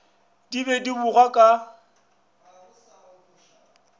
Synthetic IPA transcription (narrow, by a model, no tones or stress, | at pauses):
dibɛdibuɣakʼa